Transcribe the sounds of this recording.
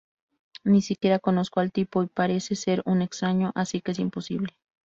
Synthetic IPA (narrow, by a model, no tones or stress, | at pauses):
nisikje̞ɾakonoskoalt̪ipoipaɾeseseɾunekst̪ɾaɲoʔasikees̬imposḭβle